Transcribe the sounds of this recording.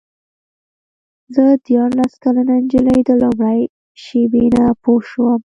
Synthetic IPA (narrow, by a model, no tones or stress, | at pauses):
zəd̪jɑɾlaskalanand͡ʒələjd̪əlʊmɽaj | ʃebenapoʃwəm